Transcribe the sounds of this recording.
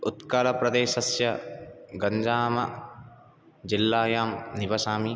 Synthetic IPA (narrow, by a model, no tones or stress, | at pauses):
ut̪kaːlɐpɾɐd̪eːʃɐsjɐɡɐɲd͡ʒaːmɐ | d͡ʒilːaːjaːmniʋɐsaːmi